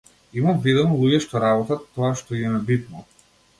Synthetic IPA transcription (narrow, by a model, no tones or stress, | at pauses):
imamvid̪ɔnɔlˠuɟɛʃt̪ɔɾabɔt̪at̪ːɔaʃt̪ɔiɛmɛbit̪nɔ